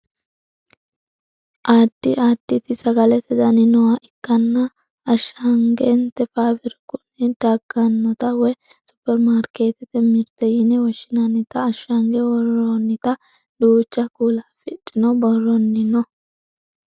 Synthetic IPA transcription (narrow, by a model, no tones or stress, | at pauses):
ʔaːd̪̥ːɪʔaːd̪̥ːɪt̪ɪsɐɡɐlɛt̪ɛd̪ɐnɪnɔwaʔɪkːɐnːɐː | ʃːɐŋɡɛnt̪ɛfaːbɪɾkʊnːɪd̪̥aːɡɐnːɔt̪ɐwɛ | sʊ̥pːɛɾmaːɾke̞ːt̪ɛt̪ɛmɪɾt̪ɛjɪnɛwɔʃːɪnɐnːɪt̪ɐːʃːɐŋɡɛwɔrɔːnːɪt̪ɐ | d̪uːt͡ʃːɐkuːlaːfɪᶑɪnɔbɔrːɔnːɪnɔ